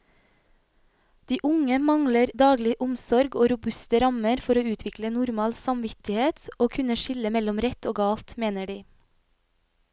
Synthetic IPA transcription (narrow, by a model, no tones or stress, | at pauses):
d̪̥iːʔʊŋəmɑŋləɾd̪ɑːɡlɪʔʊmsɔɾɡoːɾʊbʉst̪əɾɑməɾfɔɾoːʉːt̪ʰʋɪklənʊɾmɑːlsɑmʋɪt̪ɪheːt̪oːkʰʉnəʃɪləmɛlɔmɾɛt̪oːɡɑːlt̪meːnəɖiː